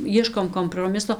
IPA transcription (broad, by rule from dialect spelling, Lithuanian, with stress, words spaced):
ˈjiɛʃkoːm koːmproːˈmʲɪsoː